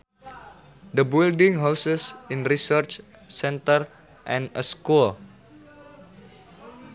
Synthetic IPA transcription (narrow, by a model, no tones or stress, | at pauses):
d̪əbildĩŋɦawsəsĩnrisərt͡ʃ | sɛ̃nt̪ər | ʔɛ̃nəskul